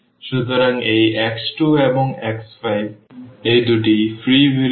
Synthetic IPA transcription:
ʃut̪ɔɾaŋejʔɛksʈuebɔŋɛksfajbejd̪uʈifʰɾiʋiɾ

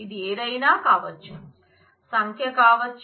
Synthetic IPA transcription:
id̪ieːd̪ɐjnaːkaːʋɐt͡ʃːu | sɐŋkʰjɐkaːʋɐt͡ʃː

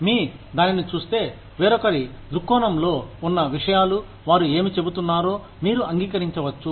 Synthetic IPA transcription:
miːd̪aːninit͡ʃuːst̪e̞ː | ʋeːɾɔkɐɾi | d̪ɾukːɔːnɐmlo̞ːunːɐʋiʂɐjaːlu | ʋaːɾue̞ːmit͡ʃe̞but̪unːaːɾo̞ː | miːɾuɐŋɡiːkɐɾiɲt͡ʃɐʋɐt͡ʃːu

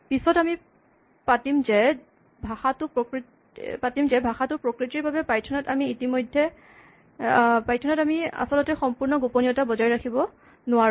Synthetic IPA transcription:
pisɔtami | patimzɛ | bʱaxatʊpɔkɹ | patimzɛbʱaxatʊpɹɔkɹitiɹbabɛpajtʰɔnɔtamiːtimɔjdʱːɛ | pajtʰɔnɔtamia̰sɔlɔtɛxɔmpuɹnɔɡoponiɔtabɔzajɹakʰibɔ | nʊa

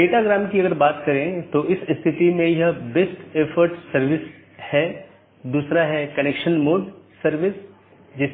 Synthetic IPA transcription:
ɖeːʈaɡɾaːmkiɐɡəɾbaːt̪kɐɾẽt̪oʔɪsɪst̪ʰɪt̪imẽjɐbesʈeːfʰəɾʈsɐɾʋɪs | hɛː | d̪uːsɾaɦɛːkɐneːkʃənmoːɖsɐɾʋɪs | d͡ʒɪs

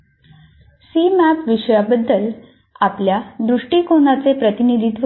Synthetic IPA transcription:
siːmæpʋiɕəjabəd̪ʱːəl | apljad̪ɾuʂʈiːkonat͡sepɾət̪inid̪ʱit̪ʋ

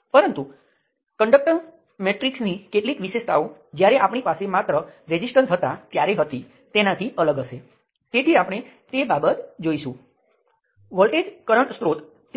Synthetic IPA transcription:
pəɾənt̪u | kəɳɖək̚ʈəɾ | meʈɾiksnikeʈlikʋiʃest̪ʰaod͡ʒjaɾeʔapɳ̃ipasemat̪ɾəɾed͡ʒisʈənsɦət̪at̪jaɾeɦət̪i | t̪enat̪ʰiʔələɡəʃe | t̪et̪ʰiapɽ̃e | t̪ebabət̪d͡ʒoiʃṵ̃ | ʋəlʈed͡ʒkəɾəɳʈst̪ɾot̪ː

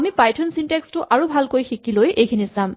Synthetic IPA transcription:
amipajtʰɔnsintekstʊʔaɹubʱalkojxikilojʔejkʰinisam

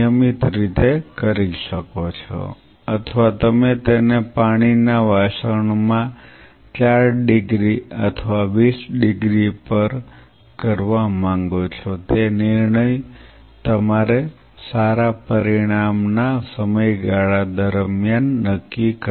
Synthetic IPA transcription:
əmit̪ɾit̪ekəɾiʃəkot͡ʃʰo̰ | ət̪ʰʋat̪əmet̪enepaɽ̃inaʋaʃəɳmã | t͡ʃaɾɖɪɡɾiə̰t̪ʰəʋaʋisɖɪɡɾipəɾ | kəɾʋamãŋɡot͡ʃʰot̪enɪɾɳəj | t̪əmaɾe | saɾapəɾiɽ̃amnasəməjɡaɭad̪əɾmjanːəkːikə

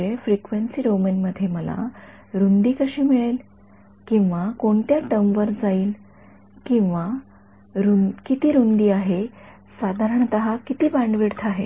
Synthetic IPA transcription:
efɾikʋensiːɾomənməd̪ʱːjeməla̰ | ɾund̪iːkəɕiːmiɭel | kĩw̃ʋakoɳt̪jaʈəmʋəɾd͡zaiːl | kĩw̃ʋa | ɾukit̪iːɾund̪iːaɦe | sad̪ʱaɾəɳt̪əɦakit̪iːbaɳɖʋiɽt̪ʰaɦe

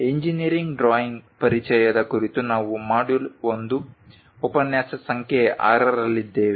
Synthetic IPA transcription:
eɲd͡ʒiniɐɾiŋɡɖɾaːjiŋɡpɐɾit͡ʃɛjɐd̪ɐkuɾit̪unaːʋumaːɖulond̪u | opɐnjaːsɐsɐŋkʰeʔa̰ːɾɐɾɐlːid̪ːeːʋe

